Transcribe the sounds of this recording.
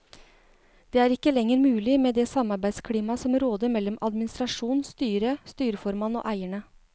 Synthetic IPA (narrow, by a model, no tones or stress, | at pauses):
d̪̥eːæːɾɪkːəlɛŋːəɾmʉːlɪmeːd̪ɛsɑmɑɾbæɪ̥skʰliːmɑsɔmɾoːd̪əɾmɛlːɔmʔɑ̰d̪mɪnɪst̪ɾɑʂuːnst̪yːɾəst̪yːɾəfɔɾmɑno̰ːʔæɪəɳə